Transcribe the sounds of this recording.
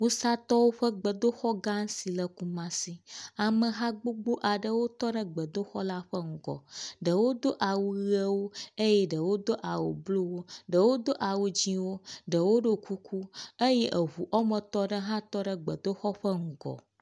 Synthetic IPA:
ŋũ˦sa˦t̪ɔ˦wo˦ɸə˦ɡ͡bə˨d̪o˦xɔ˦ɡã˦ŋ̩˦si˨lə˨ku˦mã˦si˦a˨mə˨ɦã˦ɡ͡bo˦ɡ͡bo˦ʔa˨ɖə˦wo˦t̪ɔ˦ɖə˦ɡ͡bə˨d̪o˦xɔ˦la˦ɸə˦ŋ̩˦˨ɡɔ̰˨ɖə˨wo˦d̪o˦ʔa˨wu˦ɣə˦wo˦e˦jɛ˦ɖə˨wo˦d̪o˦ʔa˨wo̰˨blo˦wo˦ɖə˨wo˦d̪o˦ʔa˨wu˨d͡ʑĩ˦wo˦ɖə˨wo˦ɖo˦kʰu˦kʰu˦ə˦jɛ˦ʔə˨ɦu˨ʔɔ˦mə̃˨t̪ɔ˦ɖə˦ɦã˦t̪ɔ˦ɖə˦ɡ͡bə˨d̪o˦xɔ˦ɸə˦ŋ̩˨ɡɔ̰˨

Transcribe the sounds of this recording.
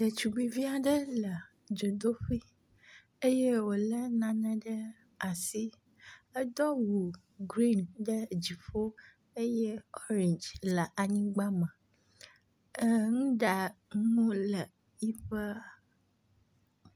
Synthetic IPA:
ɖə˨t͡ʃu˨ɡ͡bi˦vi˦a˨ɖə˦lə˨ | d͡ʒo˨d̪o˦ɸi˦ | e˦je˦wo˨lə˦nã˨nɛ̃˦ɖə˦ | a˨si˦ | ə˦d̪ɔ˦wu˨ | ɡɾi˦nɖə˦d͡ʑi˨ɸo˦ | e˦je˦ɔ˦ɾĩ˨nd͡ʒlə˨ʔa˨ɲĩ˦ɡ͡ba˦mə̃˨ | ə˦ŋũ˦ɖa˨ŋũ˦lə˨ | i˦ɸə˦

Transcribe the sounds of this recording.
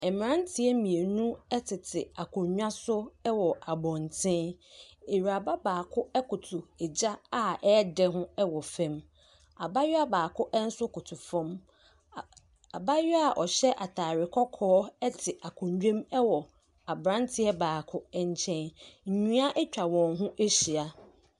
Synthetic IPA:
ɛ˨m˨ɾã˦n˦tʰɪ˦ɛ˦mĩ˨e˨nũ˦ɛ˦tʰɪ˨tʰɪ̰˨a˨kʰʊ̃˨ɲɲᶣã˦sʊ˦ɛ˦wɔ˨ʔa˨bɔ̃˨n˨tʰɪ̃˦e˨ɥa˨ba˦baː˨kʰʊ˦ɛ˦kʊ˨tʰʊ˨ɛ˨d͡ʑa˦a˦ɛ˦dɛ˦ɦʊ̃˦ɛ˦wɔ˨fɛ̃˦m | a˨ba˦ja˦baː˨kʰʊ˦ʔɛ˦n̩˦sʊ˦kʊ˨tʰʊ˨fɔ̃˦m | a˨ba˦ɥa˨ʔɔ˨ɕɛ˦ʔa˨tʰaː˨ɾɪ˨kʰɔ˦kʰɔː˦ɛ˦tʰɪ˨ʔa˨kʰʊ̃˨ɲd͡ʑᶣẽ˦mɛ˦wɔ˨ | a˨bɾã˦ntʰɪ˦ɛ˦baː˨kʰʊ˦ɛ˦ɲ̩˦t͡ɕʰɛ̃˦nɲ̩˨ɲũ˦a˦ʔɛ˦t͡ɕᶣa˨wɔ̃˨nɦʊ̃˦ʔe˦ɕi˨a˨

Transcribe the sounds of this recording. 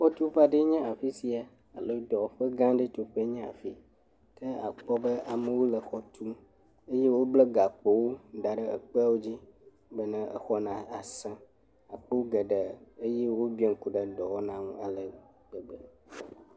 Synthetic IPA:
ɸɔ˦t̪u˦ɸa˦ɖe˦ɲɛ̃˦a˨fi˦si˨a˨ | a˨lə˦d̪ɔ˨ɸə˦ɡã˦ɖə˦t̪o˦ɸe˦ɲɛ̃˦a̰˨fi˦ | t̪ə˦a̰˨k͡pɔ˦bə˦ʔa˨mə̃˦wo˦lə˨xɔ˦t̪ʰu˦ | e˦je˦wo˦blɛ˦ɡa˨k͡po˦wo˦ɖa˨ɖə˦ə̰˨k͡pə˦a˦wo˦d͡ʑi˦ | bə˦nɛ̃˦ə̰˨xɔ˦nã˨a˨sã˦ | a˨k͡pə˦wo˦ɡə˨ɖə˨e˦je˦wo˦bi˦e˨ŋ̩˨ku˨ɖə˨ɖɔ˨wɔ˦nã˦ŋũ˦a˨lə˨ | ɡ͡bə˨ɡ͡bə˨

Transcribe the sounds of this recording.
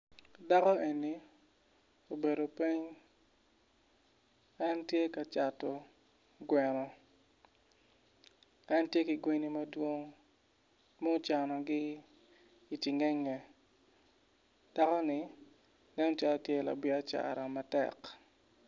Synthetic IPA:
da˦kɔ˦e˨ni˨ | o˨be˨ɾo˨pe˦ɲ | a˦ntje˦ka˨t͡ʃa˨tɔ˨ | ɡwɛ˨nɔ˨ | a˦ntje˦kɪ˨ɡwe˦ni˦mɐ˦dwo˦ŋ | mɔ˦t͡ʃa˨nɔ˨ɡɪ˦ | i˨ti˨ŋɛ˦ŋːɛ˨ | d̥a˦kɔ˦nɪ˦ | nɛ˦nɔ˦t͡ʃa˦lɔ˦tje˦˨la̰˨bɪ˦a˦t͡ʃa̰˨ɾa˨ma˨tɛ̰˨k

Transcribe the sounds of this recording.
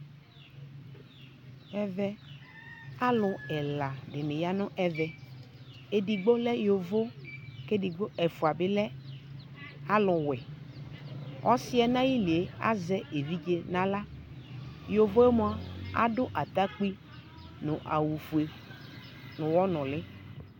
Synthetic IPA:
ɛ˦vɛ˦ | a˦lʊ˨ɛ˨la˨ɖɪ˨nɪ̃˨ja˦nʊ̃˦ʔɛ˦vɛ˨ | e˦di˨ɡ͡bo˦lɛ˦jo˨vo˦ke˦di˨ɡ͡bo˦ɛ˨fu˨a˨bɪ˦lɛ˦ | a˦lʊ˨wɛ˨ | ʔɔ˦sɪ˦ɛ˦nã˦ji˦li˨e˦a̰˦zɛ˦e˨vi˦d͡ʒe˦nã˦la˦ | jo˨vo˦e˦mõ˦a˦˨a̰˦dʊ˦ʔa˨t̪a˦k͡pi˦ | nʊ̃˨ʔa̰˨wu˨fu˨e˨ | nʊ̃˨wɔ˦nʊ̃˨lɪ˦

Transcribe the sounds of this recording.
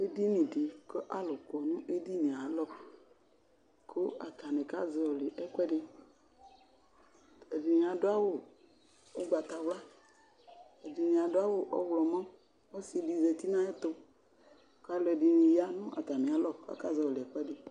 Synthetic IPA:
e˦di˦nĩ˨de˨ke˦ʔa˦lo˨kɔ˨nũ˦ʔe˦di˦nĩ˨a˨lɔ˦k | ko˦a˨t̪a˨ne˨ka˦zɔ˨le˨ʔɛ˦kɛ˦ɖe˦ | e˨di˨mĩ˨a˨do˦a˦wo˦ | o˦ɡ͡ba˨t̪a˨wla˦ | e˨di˨nĩ˨a˨do˦a˦wo˦ʔɔ̰˦wlɔ˨mɔ̃˦ | o˦si˨di˨ze˨t̪i˦nã˦e˦t̪o˦ | ka˦lɔ˨e˨di˨nĩ˨ja˦nũ˦ʔa˨t̪a˨mĩ˨a˨lɔ˦a̰˨ka˦zɔ˨le˨ɛ˨k͡pɛ˦de˨

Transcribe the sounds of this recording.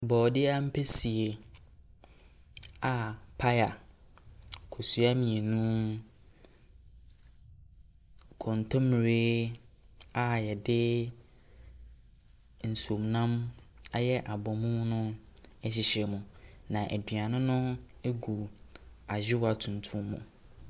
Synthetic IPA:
bɔː˨dɪ˦a˦m̩˦pʰe˦si˨e˨ | a˨pʰa˦ja˨ | kʰo˨su˦a˦mĩ˨e˨nũ˦ | kʰɔ̃˨n˨tʰɔ̃˦m˨ɾeː˦ | a˦jɛ˨dɪ˦ | n̩˨su˨o˨m˨nã˦m | a˦jɛ˦ʔa˨bɔ˨mũ˦nʊ̃˦ɛ˦ɕ̬ɪ˨ɕɛ˨mũ˨nã˨ʔæ˨dɥa˨nʊ̃˦nʊ̃˦e˦ɡu˨a˨d͡ʑᶣɪ˦wa˨tʰũ˨n˨tʰũ˦mːṵ̃˨

